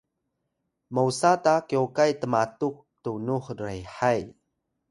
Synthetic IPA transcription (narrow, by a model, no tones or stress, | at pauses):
mowsatakiokajtəmatuk̚tunuħɾejħaj